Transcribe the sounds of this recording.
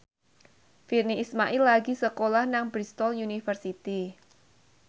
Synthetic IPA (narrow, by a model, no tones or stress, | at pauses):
firniːsmaʔilːaɡisəkolahnaŋbɾist̪ɔljunifərsit̪i